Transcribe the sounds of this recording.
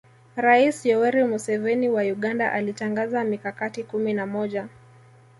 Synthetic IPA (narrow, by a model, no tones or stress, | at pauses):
ɾaisjɔwɛɾimusɛvɛniwauɠandaʔalitaŋɡazamikakatikuminamɔʄa